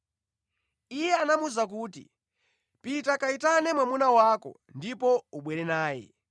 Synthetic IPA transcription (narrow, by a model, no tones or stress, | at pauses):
ijɛanamuzak̬uːtḭ | pitakaitanɛmwamunawakɔ̰ | ndipɔuɓwɛɾɛnaːjɛ̰